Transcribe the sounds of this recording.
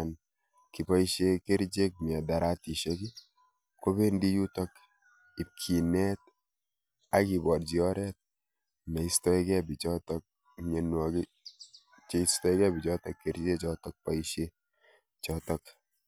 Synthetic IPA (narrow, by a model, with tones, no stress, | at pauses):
n | ki˨pa˦iʃe˦ke˦ɾd͡ʒe˦k̚mi˨a˨da˨ɾa˦ti˨ʃe˦ki˦ | ko˦be˦ndi˦ju˦tɔ˦k | i˨p̚kʰi˨nɛ˦t̚ | a˦ki˨bɔ˨ɾd͡ʒi˨ɔ˦ɾɛ˦t̚ | me˨istɔ˦ikɛ˦bi˨t͡ʃɔ˦tɔk̚ | ɲe˨nwɔ˨ɡi | t͡ʃe˨stɔ˦jkɛ˦bi˨t͡ʃɔ˦tɔkːe˨ɾd͡ʒe˦t͡ʃɔtɔk̚pa˨iʃe | t͡ʃɔtɔ˦k